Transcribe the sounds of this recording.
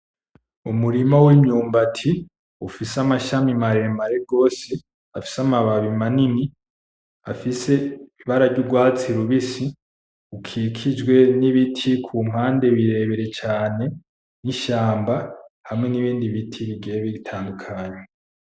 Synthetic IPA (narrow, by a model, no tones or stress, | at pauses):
umuɾimawimɲuːmbatʰi | ufisamaʃamimaɾe̞maɾeɡo̞ːse | afi̥samaβaβimanini | afise̞iβaɾavɟuɡwaːt͡siɾuβisi | ukʰikʰid͡ʒwe̞niβitʰikʰuːm̥haːnde̞βiɾe̞ːβeɾe̞t͡ʃaːne̞ | niʃaːmbahamŋe̞niβiːndiβitʰiβiɡeβeɡitʰaːndukʰaːɲe